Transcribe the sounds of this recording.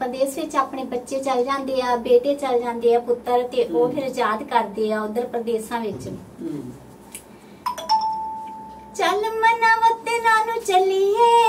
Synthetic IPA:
pɾəd̪eːsʋɪt͡ʃaːpɳeːbətːʃeːt͡ʃəld͡ʒãːnd̪eːaːbeːʈeːt͡ʃəld͡ʒãːnd̪eːaːpʊt̪ːəɾt̪eːʔoːpʰɪɾd͡ʒaːd̪kəɾd̪eːaːʊd̪əɾpɾəd̪eːsãːʋɪt͡ʃ | t͡ʃəlmənãːmət̪ːeːnaːnũːt͡ʃəliːɦɛː

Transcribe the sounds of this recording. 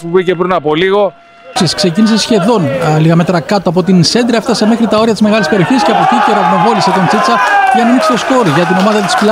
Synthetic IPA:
pubicepɾinɐpo̞liɣo̞ | siskse̞cinise̞sçe̞ðo̞nliɣɐme̞t̪ɾɐkɐt̪oɐp̬o̞t̪inse̞nd̪ɾɐeft̪ɐse̞mexɾit̪ɐo̞ɾiɐt̪izme̞ɣɐlispeioçisceɐpo̞cit̪oɾɐvno̞voliset̪ont͡sit͡sɐʝɐnɐnikse̥t̪o̞sko̞ɾiʝɐt̪̬ino̞mɐðɐt̪i̥spl

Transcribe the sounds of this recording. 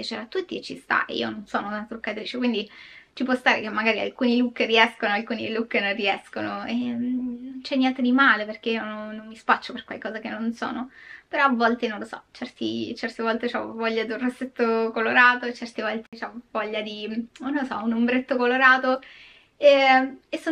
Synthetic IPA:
pjat͡ʃeɾat̪ːut̪ːiet͡ʃːḭst̪a̰ʔḛḭononsoːnounat̪ɾukːat̪ɾiːt͡ʃekwind̪it͡ʃipwɔst̪aːɾekemːaɡaːɾia̰lkuːnilukːeɾiɛskonoalkuːnilukːenorːiɛskonoenːont͡ʃɛnːjɛnt̪ed̪imaːleperk̟eionoːomːispat͡ʃːoperkwa̰lkɔːzakenːonso̰ːnopeɾɔavːɔlt̪enonlosɔ̰t͡ʃɛrt̪ḭt͡ʃɛrt̪evɔlt̪et͡ʃɔ̰vɔʎːad̪iunrosːet̪ːokoloɾaːt̪ot͡ʃɛrt̪evɔlt̪et͡ʃavɔʎːad̪inlosɔunombɾet̪ːokoloɾaːt̪o | eesːo

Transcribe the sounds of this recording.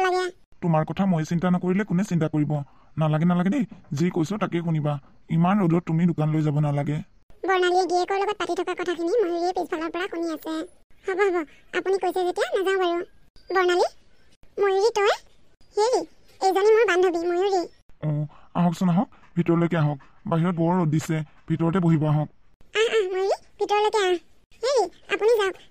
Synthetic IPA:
laɡɛ | tumaɹkɔtʰamojɛsintanɔkoɹilɛkʊnɛsintakoɹibɔ | nalaɡɛnalaɡɛdizikojsʊtakɛxuniba | imanɹodɔtːumidʊkanlojzabɔnalaɡɛ | bɔɹnaliɛdiɛkɔɹlɔɡɔt̚patitʰɔkakɔtʰakʰinimojuɹiɛpispʰalɔɹpɔɹaxuniasɛhɔbɔɦɔbɔa̰punikojsɛzetijanazãʊ̃baɹu | bɔɹnali | mojiɹitɔj | heɹi | ejzɔnɛmojbandʱobimojuɹi | ɔaɦɔ̃ksɔnaɦɔ̃k̚bʱitɔɹɔlojkɛaɦɔ̃k̚ | baɦiɹɔt̚bɔɹːodisɛ | bʱitɔɹɔtɛboɦibɔaɦɔ̃k̚aamojɹi | bʱitɔɹlojkɛa | heɹia̰punizaʊk

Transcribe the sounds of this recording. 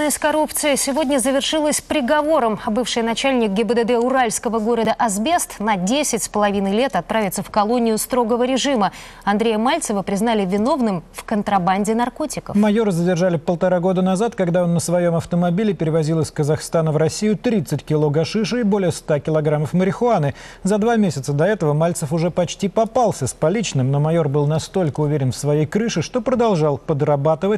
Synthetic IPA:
əjsʲkɐɾupt̪sɨjɪsʲɪvo̞dʲnʲəzəvʲɪrʂɨlˠəsʲpɾʲɪɡɐvo̞ɾəmbɨfʂɨjnɐt͡ɕælʲnʲɪk̚ɡʲɪbəd̪ɛd̪ɛʊɾalʲskəvəɡo̞ɾəd̪əʔɐzbʲest̪nɐdʲesʲɪtʲspəlˠɐvʲinɨjlʲe̞t̪ɐt̪̚pɾavʲɪt̪səfkɐlˠo̞nʲɪjʊst̪ɾo̞ɡəvəɾʲɪʐɨmə | ɐnd̪ɾʲejəmalʲt̪səvəpɾʲɪznalʲɪvʲɪno̞vnɨmfkənt̪ɾɐbanʲdʲɪnɐrko̞tʲɪkəfmɐjo̞ɾɨzədʲɪrʐalʲɪpəlˠt̪ɐɾaɡo̞d̪ənɐzat̪kɐɡd̪ao̞nːəsvɐjo̞mɐft̪əmɐbʲilʲɪpʲɪɾʲɪvɐzʲilˠəsʲkəzɐxst̪anəvɾɐsʲijʊt̪ɾʲit̪sɨtʲkʲɪlˠo̞ɡɐʂɨʂ̬ɨːbolʲɪjəst̪akʲɪlˠɐɡɾaməfməɾʲɪxʊanɨzɐd̪vamʲesʲɪt̪səd̪ɐɛt̪əvəmalʲt̪səfʊʐɛpɐt͡ɕtʲipɐpalˠsʲəspɐlʲit͡ɕnɨmno̞mɐjo̞rbɨlˠnɐst̪o̞lʲkəʊvʲeɾʲɪnfsvɐjejkɾɨʂɨʂt̪o̞pɾəd̪ɐlˠʐɑlˠpəd̪rɐbat̪ɨvətʲ

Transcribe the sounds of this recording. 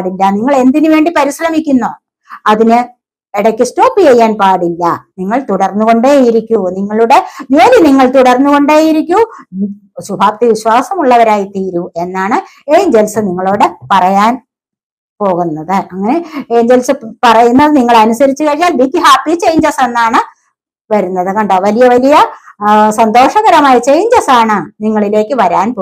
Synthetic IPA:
ɽilːɐniŋːɐɭe̞nd̪inɨʋe̞ːɳɖipɐɾisɾɐmikʲːunːoː | ɐðinɨ | iɽɐkʲːɨsto̞ːpːit͡ɕejːaːnpaːɽilːɐniŋːɐɭt̪uɽɐrnːuɣo̞ɳɖeːjiɾikʲːuniŋːɐɭuɽe̞joːliniŋːɐɭt̪uɽɐrnːuɣo̞ɳɖeːjiɾikʲːu | ɕubʱaːpt̪iʋiɕwaːsɐmuɭːɐʋɐɾaːjit̪iːɾue̞nːaːɳɨ | eːɲd͡ʑelsɨniŋːɐɭoːɽepɐrɐjaːn | po̞ːɣunːɐðɨʔɐŋːɐne̞eːɲd͡ʑelsɨpɐrɐjunːɐðɨniŋːɐɭɐnusɐɾit͡ɕːɨkɐɻiɲːaːlbiːkːiɦaːpːit͡ɕe̞jɲd͡ʑɐse̞nːaːɳɨ | ʋɐɾunːɐðɨkɐɳɖoʋɐlijɐʋɐlijɐ | sɐnd̪o̞ːʂɐɣɐɾɐmaːjit͡ɕe̞jɲd͡ʑɐsaːɳɨniŋːɐɭile̞ːkʲːɨʋɐɾaːnpo

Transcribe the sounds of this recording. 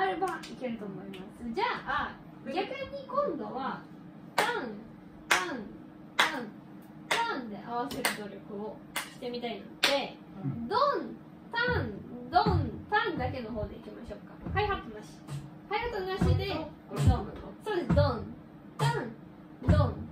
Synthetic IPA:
aɾebaike̞ɾɯ̟t̪o̞ːmo̞imasɨd͡ʑaː | ɡʲakɯ̟ɲ̟ikõ̞nd̪o̞βa | t̪ãn | t̪ãɴ | t̪ãn | t̪ãnd̪e̞ʔaβ̞ase̞ɾɯ̟d̪o̞ɾʲo̞kɯ̟o̞ | ɕi̥t̪e̞mʲit̪aina̰d̪̥e̞ | d̪õn | t̪ãnd̪õnt̪ãnd̪ake̞no̞ɦo̞ːd̪e̞ikʲimaɕo̞ːkːḁkaihat͡sɨnaɕi̥ | kaihat͡sɨnaɕid̪e | d̪õnsoːd̪esd̪õ | t̪ãɴ | d̪õn

